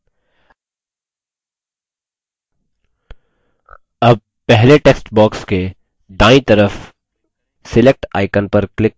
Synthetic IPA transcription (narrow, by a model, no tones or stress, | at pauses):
ɐb̚ | pɛɦleʈeːksʈbɔːkske | ɖ̪aːĩt̪ɐɾəf | sɪlek̚ʈa̰ːɪkənpɐɾklɪk̚